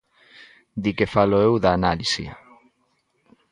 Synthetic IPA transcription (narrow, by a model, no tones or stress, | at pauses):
d̪ikefaloewðaːnalisḭ